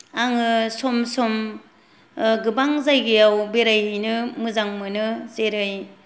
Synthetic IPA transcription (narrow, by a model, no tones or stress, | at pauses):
aŋɯsɔmsɔm | ɡɯbaŋzajɡijawbeɾajɯnɯmɯzaŋmɯnɯzeɾɯj